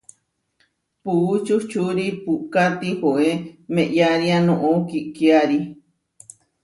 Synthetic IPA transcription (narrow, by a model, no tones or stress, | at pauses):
puut͡ʃut͡ʃuɾipuʔkat̪ihoʔemẽʔjaɾianõʔõkiʔkiaɾi